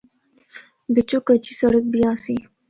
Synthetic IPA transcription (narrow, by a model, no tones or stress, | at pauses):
bɪt͡ɕokət͡ʃisɐɽək̚bijãːsi